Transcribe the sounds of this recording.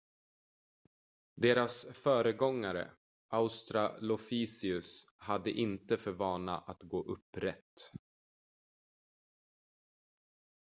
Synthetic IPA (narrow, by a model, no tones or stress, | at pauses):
d̪eːɾasfœːɾəɡɔŋːaɾə̰ | ʔaʊst̪ɾalɔfiːsɪɵshad̪ːəʔɪnt̪əfœɾvɑːna̰ʔat̪ɡoːʔɵpːɾɛt̪ː